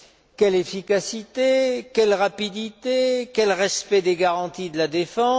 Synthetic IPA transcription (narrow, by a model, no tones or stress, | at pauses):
kʲɛlefikasit̪ekʲɛlʁapid̪it̪ekʲɛlʁɛspɛd̪eɡaʁɑ̃t̪id̪əlad̪efɑ̃